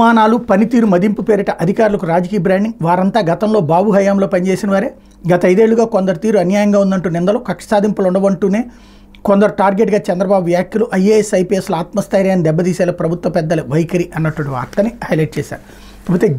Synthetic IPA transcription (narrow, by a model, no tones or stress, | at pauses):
aːnaːlupɐnit̪iːɾumɐd̪impupeːɾiʈɐʔɐd̪ʱikaːɾulɐkuɾaːd͡ʒɐkiːjɐbɾaːɳɖiŋɡʋaːɾɐnt̪aːɡɐt̪ɐmlo̞ːbaːbuɦɐjaːmloːpɐnit͡ʃe̞ːsinɐʋaːɾeː | ɡɐt̪ɐɐjd̪e̞ːɭːuɡaːkond̪ɐɾut̪iːɾuɐnjaːjɐŋɡaːund̪ɐɳʈuːnind̪ɐloːkɐkʂɐ̥saːd̪ʱimpɐlɐuɳɖɐʋɐɳʈuːne̞ː | ko̞nd̪ɐɾuʈaːɾɡe̞ːʈɡaːt͡ʃɛnd̪ɾɐbaːbuʋjaːkʰjɐluʔɐjeːesɐjpiːesluaːt̪mɐst̪aːjɾajɐnid̪ɛbːɐd̪iːseːlɐpɾɐbʱut̪ʋɐpɛd̪ːɐleʋɐjkɐɾiʔɐnːɐʈːuʋɐɳʈiʋa̰ːɾt̪ɐnihɐjlɐjʈ̚t͡ʃɛːsa̰ːɾu | ɐput̪eː